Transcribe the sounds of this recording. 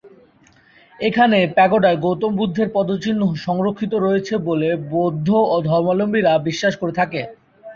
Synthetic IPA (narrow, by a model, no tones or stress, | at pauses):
ekʰanepɛɡoɖaeɡowt̪ombud̪ʱːeɾpɔd̪ot͡ɕinːoʃɔŋɾokʰːit̪oɾoet͡ɕʰebolebod̪ʱːood̪ʱɔɾmalombiɾabiʃːaʃkoɾet̪ʰake